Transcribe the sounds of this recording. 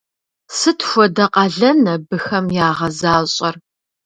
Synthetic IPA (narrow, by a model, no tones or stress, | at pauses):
sɨtxʷɔdɐqʼɐɮɐnɐbɨxɐmjaːʁɐzaːɕʼɐr